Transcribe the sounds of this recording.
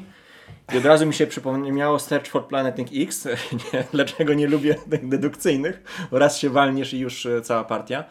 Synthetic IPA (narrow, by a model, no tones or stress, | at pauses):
iɔd̪ɾazumʲiɕɛpʂɘpɔmɲɛmʲjawɔst̪ɛɾt͡ʂfɔɾt̪̚planɛt̪ʲiŋkiksɲd̪lat͡ʂɛɡɔɲɛlubʲjɛt̪ɘɣd̪ɛd̪ukt̪sɘjnɘxɾasɕɛvalɲiʂijuʂt̪sawapaɾt̪ʲja